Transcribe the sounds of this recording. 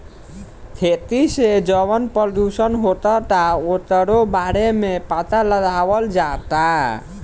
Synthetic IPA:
kʰet̪ised͡ʒəβənpəd̪usənɦot̪ɔt̪aot̪əɾobaɾemepat̪aləd̪awəld͡ʒat̪a

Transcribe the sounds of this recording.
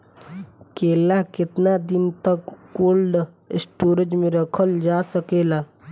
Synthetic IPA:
keːlakɪt̪nad̪ɪnt̪əkːoːlɖ | ɪ̰sʈoːɾəd͡ʒmẽɾəkʰəld͡ʒaːsəkeːlaː

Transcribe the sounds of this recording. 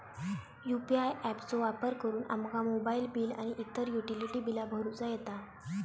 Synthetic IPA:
jupiajʔæpt͡soʋapəɾkəɾuːnʔa̰mkamobailbiːla̰ɽ̃iʔit̪ːəɾjuʈiliʈibilabʱəɾut͡sajet̪a

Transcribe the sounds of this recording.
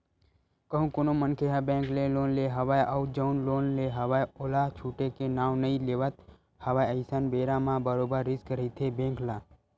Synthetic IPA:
kəɦũkonomənkʰeɦabẽːŋkleloːnleɦəʋaːjəwd͡ʒəʊnloːnleɦəʋajoːlat͡ʃʰuːʈekenaːʋnəĩleːʋət̪ | həʋaːjəɪsənbeːɾamãbəɾoːbəɾːɪskəɾət̪ʰebẽːŋklaː

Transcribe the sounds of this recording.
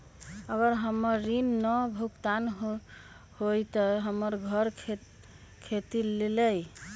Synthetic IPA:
əɡəɾɦəmːəɾːinːɔbʱukt̪an | hojt̪ɔɦəməɾɡʱəɾʰ | kʰet̪ileləj

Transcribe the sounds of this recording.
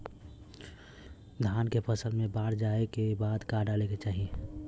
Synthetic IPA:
d̪ʱaːnkepʰəsəlmẽbaːɾd͡ʒaːekebaːd̪kaːɖaleket͡ʃaːɦie

